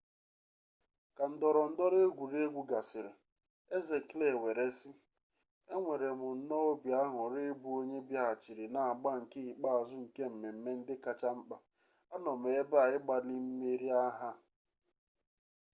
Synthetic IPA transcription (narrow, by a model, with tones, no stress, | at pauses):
ka˨n̩˨dɔ˨ɾɔ˨n̩˦dɔ˦ɾe˦ɡʷu˨ɾe˦ɡʷu˦ɡa˨sɪ˨ɾɪ̰˨ | e˦ze˨kle˨we˨ɾe˦sɪ˦ | e˦ŋʷe˨ɾe˨mʊ˨n̩˨˦nɔ˦o˦bja˦ɦʊ˨ɾɪ˦bu˨o˦ɲe˦bja˦a˨t͡ʃi˨ɾi˨na˨a˨ɡ͡ba˦ŋ̩˨ke˦i˨k͡pa˦a˨zʊ˦ŋ̩˨ke˦m̩˨me˨m̩˨me˦n̩˦dɪ˦ka˨t͡ʃa˦m̩˦k͡pa˦ | a˦nɔ˨m˨e˨e˦ba˨ɪ˦ɡ͡ba˨li˦m̩˦me˦ɾi˦a˦ɦa˦